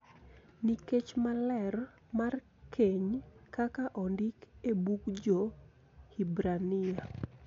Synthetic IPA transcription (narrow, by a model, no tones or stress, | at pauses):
niket͡ʃmalɛr | mar | kʰeɲkakaʔɔndɪkebukd͡ʒo | hibɾanɪa